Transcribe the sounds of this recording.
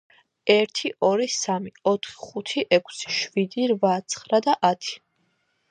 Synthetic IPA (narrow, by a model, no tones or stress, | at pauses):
ɛɾt̪ʰiʔɔɾisamiɔt̪ʰχi̥χut̪ʰiʔɛkʷʰsi̥ʃvid̪iɾvat̪sʰχɾad̪aʔat̪ʰi̥